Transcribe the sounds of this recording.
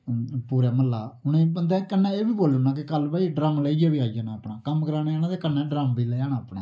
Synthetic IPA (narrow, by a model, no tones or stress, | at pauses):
puːɾaːməlːaːʊñeːbənd̪ɛ̃ːkənːɛ̃ːeːʋiːboːlːʊnãːk̬ɪkəlbaːiɖɾaːmleːijaːʋiːaːijaːnaːpnãːkəmkəɾaːneːaːnaːd̪eːkənːɛ̃ːɖɾaːmʋiːleːaːnaːəpnã̰ː